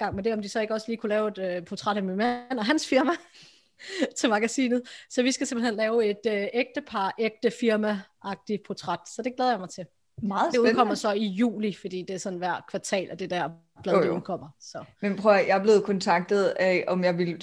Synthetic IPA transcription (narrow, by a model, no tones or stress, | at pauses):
ɡ̥ɑ̈ŋ̰mend̥e̝ɒ̽md̥isɒ̽e̝ɡ̥əɒ̽sliːkʰulɛːʊe̝d̥øpʰot͡sʰʁaɾ̥æminmæn̰ɒ̽ɦænsfiɐmæ | t͡sʰe̝lmɑ̈ɡ̥æsḭːnð̩ˠsɒ̽ʋisɡ̥æsemb̥l̩henlɛːʊe̝d̥øeɡ̥̚d̥əpʰɑ̈ːʔeɡ̥̚d̥əfiɐmæʔɑ̈ɡ̥̚d̥ipʰot͡sʰʁad̥sɒ̽d̥e̝ɡ̥leːð̞ˠɐjɑ̈mɑ̈ɪt͡sʰe̝ | mɑ̈ːð̩ˠd̥euðˠkʰɒ̽m̰ɐsɒ̽ijṵːlifɒd̥ḭːd̥e̝æɐsɒ̽n̩ʋæɐ̰̥kʰʋɑ̈t͡sʰɛ̰ːlʔɒd̥e̝d̥æɐ̰ | b̥leðˠukʰɒ̽m̰ɐsɒ̽menpʰʁœjɑ̈ɪb̥le̝ːð̞̩ˠkʰɔnt͡sʰɑ̈ɡ̥̚d̥ð̩ˠʔɒmjɑɪʋil